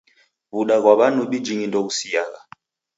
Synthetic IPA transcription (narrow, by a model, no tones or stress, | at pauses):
βuɗaɣwaβanuɓid͡ʒiŋindɔusijaɣa